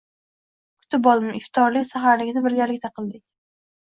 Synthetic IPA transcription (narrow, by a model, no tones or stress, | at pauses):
kʰʊ̥t̪ʰɪpbbɒlˠɪmɪft̪ʰɒɾlɪkʲsaχaɾlɪɡʲɪd̪abɪɾɡʲaɾlɪk̚ʲt̪ʰaqʰɨlˠd̪ɪkʲ